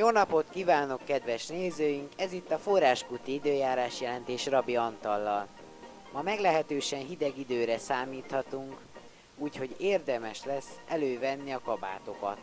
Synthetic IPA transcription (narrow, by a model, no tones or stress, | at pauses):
joːnɒpo̞t̪kiːvaːno̞kːɛd̪ʋɛʃneːzøːjiŋkɛzit̪ːɒforaːʃkut̪iid̪øːjaːɾaːʃjɛlɛnt̪eːʃrɒbiɒnt̪ɒlːɒl | mɒmɛɡlɛɦɛt̪øːʃɛnɦid̪ɛɡid̪øːɾɛsaːmiːt̪hɒt̪uŋk | uːcho̞ɟeːrd̪ɛmɛʃlɛsːɛløːvɛnːiɒkɒba̰ːt̪o̞kɒ̰t̪